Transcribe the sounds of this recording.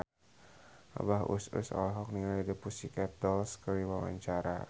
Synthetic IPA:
a̰bahṵsṵsɔ̰lɦɔk̚nilaidipusikɛt̪̚dɔlskəɾiwama̰ɲt͡ʃaɾa̰

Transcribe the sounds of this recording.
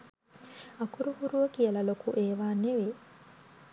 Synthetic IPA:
ɐkuɾuhuɾuʋɐkijɐlɐlokuʔeːʋaːneʋe

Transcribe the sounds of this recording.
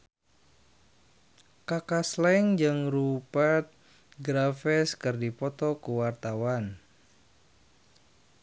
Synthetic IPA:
kakaslɛŋd͡ʒɨŋrupɛt̪̚ | ɡɾafɛskɨrdipɔt̪ɔkuwart̪awan

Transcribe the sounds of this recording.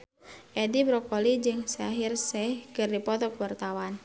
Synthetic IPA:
ʔɛdibɾɔkɔlid͡ʒɨŋsɛaɦirsɛhkɨrdipɔt̪ɔkwart̪awan

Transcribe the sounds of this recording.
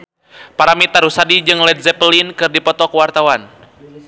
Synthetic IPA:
paɾamit̪aɾusadid͡ʒɨŋlɛdzɛpəlinkɨrdipɔt̪ɔkuwart̪awan

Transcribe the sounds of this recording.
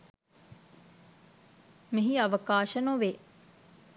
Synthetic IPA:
miɦiɐʋəkaːʃənoʋe

